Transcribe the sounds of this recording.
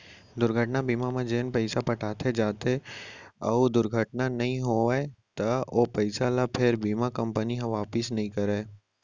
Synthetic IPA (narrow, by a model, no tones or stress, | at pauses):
d̪ʊɾɡʱəʈnabiːmamẽd͡ʒeːnpɛɪsapɐʈʰaːt̪ʰed͡ʒaːt̪e | ɐ̰d̪ʊɾɡʱəʈnanɐɦĩɦoet̪ɐopɛɪsalapʰɪɾbiːmakɐ̃mpəniɦɐ̃ʋaːpɪsnɐɦĩkɐɾeː